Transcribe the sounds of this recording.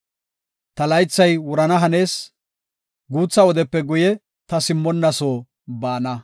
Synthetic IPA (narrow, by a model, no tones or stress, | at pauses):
t̪ɐlɐjt͡sːɐjwʊɾɐnɐɦɐne̞ːs | ɡuːt͡sːɐwɔd̪ɛpːɛɡʊjɛ | t̪ɐsɪmːɔnːɐsoː | baːnɐ